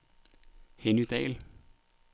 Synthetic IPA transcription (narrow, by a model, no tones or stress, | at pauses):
henyd̥̪ɛ̰ːl